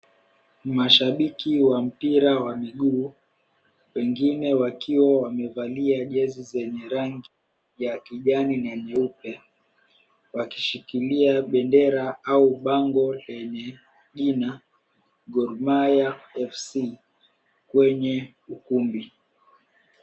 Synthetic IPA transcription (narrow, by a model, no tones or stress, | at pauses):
maʃaɓikiwam̩piɾawamiɠuː | wɛŋɡinɛwakiwawamɛvaliaʄɛzizɛɲɛɾaŋɡi | jakiʄaninaɲɛupɛ | wakiʃikiliaɓɛndɛɾaauɓaŋɡɔlɛɲɛ | ʄina | ɡɔɾmajaɛfsi | kwɛɲɛ | ukumbi